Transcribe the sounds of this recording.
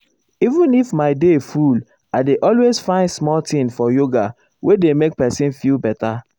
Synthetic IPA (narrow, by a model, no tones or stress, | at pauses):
ivũnifmaɪdeful | aɪdeʔɔlwez̥fãɪ̃ndsmɔltĩnfɔjoɡa | wʔedemek̚pɛsĩnfilbɛta